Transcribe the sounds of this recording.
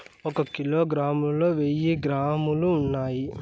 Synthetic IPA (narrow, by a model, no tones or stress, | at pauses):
ɔkɐkilo̞ːɡɾaːmulo̞ːʋeːjiɡɾaːmuluːnːaːji